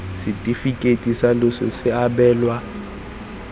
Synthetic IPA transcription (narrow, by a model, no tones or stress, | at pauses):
sitʼifikʼetʼisalɔsɔ̰sɪaɓɛːlwa